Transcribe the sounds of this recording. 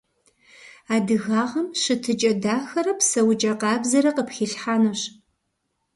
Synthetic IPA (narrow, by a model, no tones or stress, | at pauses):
aːdɨɣaːʁɐmɕɨtʰɨt͡ʃʼɐdaːxɐɾɐpsɐwt͡ʃʼɐqɑːbzɐɾɐqəpxiːɬħaːnɐɕ